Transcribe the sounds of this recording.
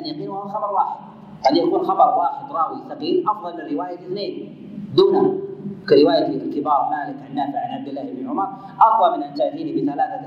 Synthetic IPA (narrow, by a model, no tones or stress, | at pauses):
ʔanjaqiːnhahwaxɑbɑɾˤwaːħɪd̪̚ | ʔanjakuːnxɑbɑɾˤwaːħɪd̪ɾˤɑːwisɑɣiːlʔɑfðˤɑlmɪnarːɪwaːjaliθneːn | d̪uːnakaɾɪwaːjat̪lilalkɪbɑːɾˤnaːlak̪anːaːfiʕanʕab̚d̪ɪlːaːhɪbniʕʊmɑɾˤ | ʔɑfðˤɑlmɪnʔant̪aʕfiːnibiθalaːθa